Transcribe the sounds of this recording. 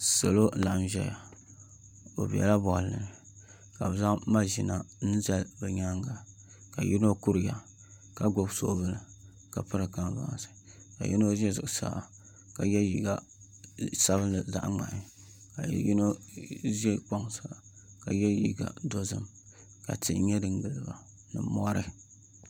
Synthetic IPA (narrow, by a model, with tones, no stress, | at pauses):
so˨lo˦˨la˨ʔa˨mʒɛ̰˦ja˨ | o̰˨bɛ̰˨la˦bɔ˨lɨ̰˨nɨ˨ | ka˨bza˦ʔma˦ʒi˨na˨nɨ˦za˦lbɛ˨ɲa˦ŋɡa˨ | ka˨ji˦no˦ku˦ɾɨ˨ja˨ | ka˨ɡo˦bso̰˦bɨ˨lɨ˨ | ka˨pɨ˦ɾɨ˨ka˦n˨va̰˨˦ŋ˨sɨ̥˨ka̰˨jʔḭ˦no˦zɛ˦zɨ˨sa̰ː˦˨˦a˨ | ka˨jɛ˦ji˨ɡa˦ | sa˦βɨ˦nlɨ˨za̰˦ʔŋ͡ma̰˨ʔɪ˨ | ka̰˨ji˦no˦zɛ˦k͡po˦ŋsa˨la˨ | ka˨jɛ˦jḭ˨ɡa̰˨do˦zɨ̰˦m | ka̰˨tɨ˨˦ɲɛ˦dɨ˨ŋɡɨ˨lɨ˨ba˨ | nɨ̰˨mɔ˦ɾɨ˦